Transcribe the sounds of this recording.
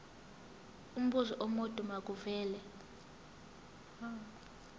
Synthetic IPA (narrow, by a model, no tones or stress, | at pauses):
um̩ɓuzɔʔɔmod̥ʱʼumak̬ʼuvɛːlɛ